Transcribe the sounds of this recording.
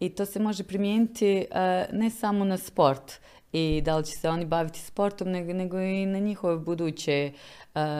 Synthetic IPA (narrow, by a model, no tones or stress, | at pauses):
it̪o̞ːse̞mo̞ʒe̞pɾimjeːnit̪inesamo̞naspo̞ɾt̪ | id̪alit͡ɕe̥seo̞nibaʋit̪i̥spo̞ɾt̪omneɡne̞ɡo̞inaɲixo̞ʋebud̪uːt͡ɕe̞